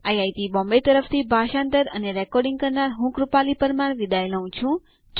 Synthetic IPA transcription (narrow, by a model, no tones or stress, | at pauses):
ajajt̪ibɔ̃mbet̪əɾəft̪ʰibʱaʃãnt̪əɾəneɾɛkɔɾɖĩŋɡ̚kəɾnaɾɦũkɾupalipəɾmaɳ̃ʋid̪aeləũt͡ʃʰũ | t͡ʃ